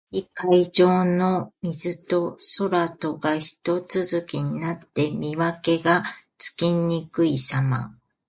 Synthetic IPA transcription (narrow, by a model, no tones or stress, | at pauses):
ikaid͡ʑo̞ːno̞mʲizɨt̪o̞so̞ɾat̪o̞ɡaçi̥t̪o̞t͡sɨzɨkʲiɲ̟inat̪ːe̞mʲiβake̞ɡat͡sɨ̥kʲiɲ̟ːikɯ̟isama̰